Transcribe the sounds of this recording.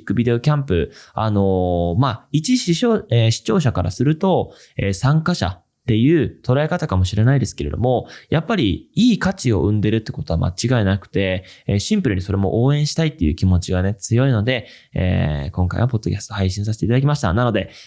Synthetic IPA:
kːɯ̟bʲid̪e̞o̞kʲãmpɯ̟ano̞mait͡ɕiɕioeɕi̥t͡ɕo̞ːɕakaɾʔa̰sɨɾɯ̟t̪o̞ | eːsãŋkaɕa̰ | t̪e̞jɯ̟ːt̪o̞ɾae̞kat̪akamo̞ɕiɾe̞naid̪e̞sɨ̥ke̞ɾe̞̰d̪o̞̰mo̞japːaɾʲiiːkat͡ɕio̞̰ʔɯ̟̃nd̪e̞ɾɯ̟t̪ːeko̞t̪o̞a̰ma̰t͡ɕiɡaenakɯ̟̥t̪e̞ːɕĩmpɯ̟ɾɯ̟ɲ̟iso̞ɾe̞mo̞ʔoːẽ̞ɰ̃ɕi̥t̪ait̪ːe̞jɯ̟̰ːkʲimo̞t͡ɕiɡane̞t͡sɨjo̞ino̞d̪e̞ | ḛːkõ̞ŋka̰ḭβapo̞d̪ːo̞kʲasɨ̥t̪ohaiɕĩɰ̃s̬ase̥t̪eit̪ad̪ak̬ʲimaɕi̥t̪a̰nano̞d̪e̞

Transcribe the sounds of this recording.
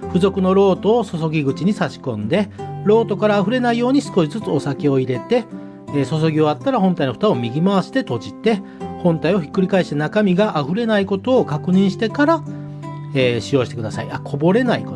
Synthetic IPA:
ɸɯ̟zo̞kɯ̟no̞ɾo̞ːt̪o̞ːso̞so̞ɡʲiɡɯ̟t͡ɕiɲ̟isaɕi̥kõ̞nd̪e̞ɾo̞ːt̪o̞kaɾaːɸɯ̟ɾe̞naijo̞ːɲ̟isɨ̥ko̞ɕizɨt͡sɨo̞sake̞o̞iɾe̞t̪e̞ | so̞s̬o̞ɡʲio̞at̪ːaɾahõ̞nt̪ainoɸɯ̥t̪ao̞mʲiɡʲimaβaɕi̥t̪e̞t̪o̞d͡ʑit̪e̞ | hõ̞nt̪aio̞çi̥kːɯ̟ɾʲikaeɕi̥t̪enakamʲiɡaʔaɸɯ̟ɾe̞naiko̞t̪o̞ːkakɯ̟ɲ̟ĩɰ̃ɕi̥t̪e̞kaɾa | eːɕijo̞ːɕi̥t̪e̞kɯ̟d̪asa̰ḭakʰo̞bo̞ɾe̞naikot̪

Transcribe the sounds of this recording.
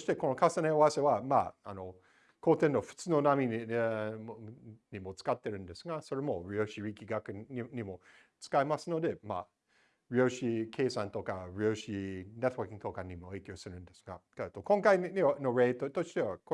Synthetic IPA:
oɕi̥t̪e̞ko̞no̞kʰasaneowase̞βama̰a̰no̞ | koːt̪ẽnːo̞ɸɯ̟̥t͡sɨno̞namʲi | ɲimo̞t͡sɨ̥kat̪ːe̞ɾɯ̟̃nd̪e̞sɨɡaso̞ɾe̞mo̞ɾioɕiɾikʲiɡakɯɲimo̞ | t͡sɨ̥kaimasɨno̞d̪e̞ma̰ | ɾioɕikʰe̞ːsãnt̪o̞kaɾioɕinet̪owakʲĩŋt̪okaɲimo̞eːkʲjoːsɨɾɯ̟̃nd̪esɨ̥ɡa̰kat̪okõ̞ŋkainianoɾeːt̪ot̪oʃi̥t̪e̞βak

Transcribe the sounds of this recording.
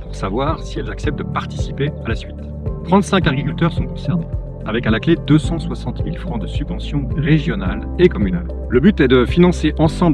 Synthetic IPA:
puʁsavwaʁsiɛlzaksɛp̚t̪̚d̪əpaʁt̪i̥si̥pealasɥit̪ | t̪χɑ̃t̪sɛ̃kaɡʁikʲylt̪œʁsɔ̃kɔ̃sɛʁne | avɛkalakled̪øsɑ̃swasɑ̃t̪milfχɑ̃d̪əsybvɑ̃sjɔ̃ʁeʒjɔnal | ekɔmynal | ləbyt̪ɛd̪əfinɑ̃seʔɑ̃sɑ̃b

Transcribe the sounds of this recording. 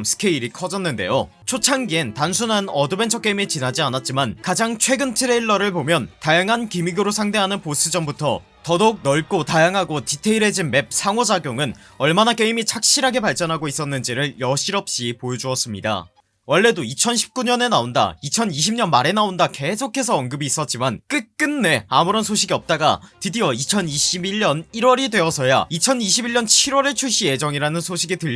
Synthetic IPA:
msʰɯ̥kʰe̞iɾikʰʌd͡ʑʌnːɯnde̞̰jo | t͡ɕʰot͡ɕʰaŋɡientansʰunanʌdɯbe̞nt͡ɕʰʌk͈eimit͡ɕinad͡ʑianat̚t͡ɕ͈imankad͡ʑaŋt͡ɕʰwe̞ɡɯntʰɯɾeiɭːʌɾɯɭpomjʌntajaŋɦankimiɡɯɾosʰaŋde̞ɦanɯnpos͈ɯd͡ʑʌmbutʰʌ̰ | tʌdok̚nʌɭ̚k͈otajaŋɦaɡotitʰe̞iɾe̞d͡ʑinme̞p̚sʰaŋod͡ʑaɡjoŋɯn | ʌɭmanak͈e̞imit͡ɕʰak̚ɕ͈iɾɦaɡe̞paɭt͡ɕ͈ʌnɦaɡois͈ʌnːɯnd͡ʑiɾɯɭjʌɕʰiɾʌp̚ɕ͈ipojod͡ʑuʌs͈ɯmɲida̰ | wʌɭːe̞doit͡ɕʰʌnɕʰi̥p̚k͈uɲʌne̞naonda̰it͡ɕʰʌniɕʰimɲʌnmaɾe̞naondake̞sʰokʰe̞sʰʌːnɡɯbiːs͈ʌt̚t͡ɕ͈imank͈ɯk̚k͈ɯnːe̞amuɾʌnsʰoɕʰiɡiʌp̚t͈aɡa̰tidiʌit͡ɕʰʌniɕʰibiʎːʌniɾwʌɾidwe̞ʌsʰʌja̰it͡ɕʰʌniɕʰibiɭːʌnt͡ɕʰiɾwʌɾet͡ɕʰuɭɕ͈ije̞d͡ʑʌŋiɾanɯnsʰoɕʰiɡitɯʎː

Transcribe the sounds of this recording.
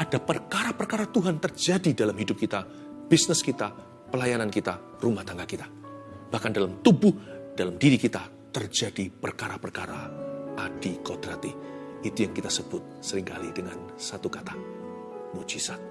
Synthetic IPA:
ʔadapərkaɾapərkaɾat̪uɦant̪ərd͡ʒadidalamhidʊp̚kit̪a | b̥isnɪskit̪a | pəlajanankit̪a | rumaht̪aŋɡahkit̪ḁ | b̥ahkandalamt̪ubʊhd̥alamdiɾikit̪a | t̪ərd͡ʒadipərkaɾapərkaɾa̰ʔadikodɾat̪iit̪ujaŋkit̪asəbʊt̪̚səɾɪŋka̰lḭdəŋan | sat̪ukat̪a | mud͡ʒisat̪̚

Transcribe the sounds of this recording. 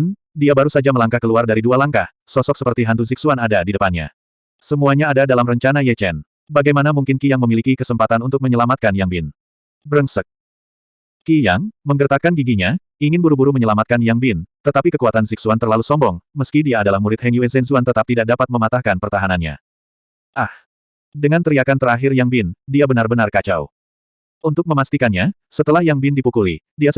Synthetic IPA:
n | diabaɾusad͡ʒaməlaŋkahkəluardaɾidualaŋkah | sɔsɔk̚səpərt̪iɦant̪us̬iksuanadadidəpanɲa̰ | səmuaɲaːdadalamrəɲt͡ʃanajɛt͡ʃɛn | baɡajmanamuŋkɪnkijaŋməmilikikəsəmpat̪anunt̪ʊk̚məɲəlamat̪̚kanjaŋbɪn | bəɾəŋsək̚ | kijaŋməŋɡərt̪akanɡiɡiɲa | iŋɪnbuɾubuɾuməɲəlamat̪kanjaŋbɪnt̪ət̪apikəkuat̪ansiksuant̪ərlalusɔmbɔŋməskidiaːdalahmuɾɪt̪̚hɛŋjuɛnsɛnsuant̪ət̪ap̚t̪idak̚dapat̪̚məmat̪ahkanpərt̪aɦananɲa̰ | ʔah | dəŋant̪əɾiakant̪əɾaɦɪrjaŋbɪndiabənarbənarkat͡ʃa̰w | ʔunt̪ʊk̚məmast̪ikanɲa | sət̪əlahjaŋbɪndipukuli | dia

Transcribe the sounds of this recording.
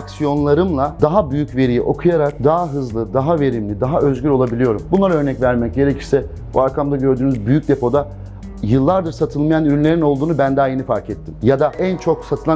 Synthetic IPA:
aksijo̞nlˠaɾɯmlˠad̪aɦabyjycve̞ɾijiʔo̞kʰujaɾak̚d̪aaɦɯzlˠɯd̪aɦave̞ɾimlʲid̪aɦaʔø̞zɟyɾʲo̞lˠabilʲijo̞ɾumbunˠaɾaø̞ɾnɛcvæɾmɛc̚ɟe̞ɾecʰiɾsɛ | buaɾkʰamd̪aɟø̞ɾd̪yːnyzbyjyc̚d̪e̞pʰo̞d̪a | jɯlˠːaɾd̪ɯɾsat̪ʰɯlˠmajanyɾynlʲe̞ɾino̞lˠd̪uːnubænd̪aːjenifaɾcʰɛt̪ʰːimjad̪aʔænt͡ʃʰo̞ksat̪ʰɯlˠa

